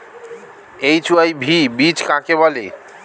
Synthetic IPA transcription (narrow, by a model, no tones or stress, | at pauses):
ejt͡ʃʰuajbʱibit͡ʃkãkebɔli